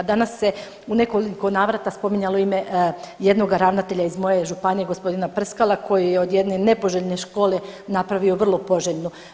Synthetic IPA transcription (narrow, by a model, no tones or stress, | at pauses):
d̪anasːe̞ | une̞ko̞liko̞naːʋɾat̪aspo̞miɲaloime̞je̞d̪no̞ɡaɾaʋnat̪e̞ʎaizmo̞je̞ʒupanije̞ɡo̞spo̞d̪inapr̩skalˠako̞jijeod̪jed̪ne̞ne̞po̞ʒeʎne̞ʃko̞ːle̞napɾaʋioʋr̩lˠo̞po̞ʒeʎno